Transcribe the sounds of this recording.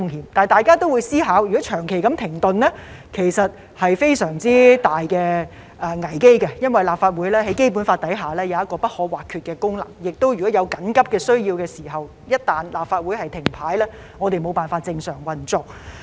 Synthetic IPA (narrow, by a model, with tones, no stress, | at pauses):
ŋhiː˨˧mt̪aː˨˩jt̪aː˨˩jkaː˥t̪o˥wuː˨˧jsiː˥ɦaː˨˥wjy˨kɔ˨˥t͡ʃʰœː˨˩ŋkʰe˨˩jkɐ˨˥mt̪ʰɪ˨˩ŋt̪ɵ˨nlɛ˥ | kʰe˨˩jsɐ˨t̚ | hɐ˨jfe˥jsœː˨˩ŋt͡siː˥t̪aː˨jkɛː˧ | ʔɛː˨˩ŋɐ˨˩jke˥jkɛ˧jɐ˥nwɐ˨jlaː˨p̚faː˧t̚wuː˨˥jlɛː˥ɦɐ˨˥jke˥jp̬uː˨˥nfaː˧t̪̚ɐ˨˥jɦaː˨˩lɛː˥jɐ˨˧wjɐ˥t̚kɔː˧pɐ˥t̚hɔː˨˥waː˨kʰyː˧t̚kɛː˧kʊ˥ŋlɐ̰˨˩ŋjɪ˨k̚t̪o˥wjy˨˩kɔː˨˥jɐ˨˧wkɐ˨˥nkɐ˥p̚kɛː˧sɵ˥ɥjiː˧wkɛː˧siː˨˩ɦɐ˨w | jɐ˥t̚t̪aː˨nlaː˨p̚faː˧t̚wuː˨˥jhɐ˨jt̪ʰɪ˨˩ŋpʰaː˨˥jlɛː˥ | ŋɔː˨˧t̪e˨jmo˨˧wpaː˨nfaː˧t̚t͡sɪ˧ŋsœː˨˩ŋwɐ˨nt͡sʊ˨k̚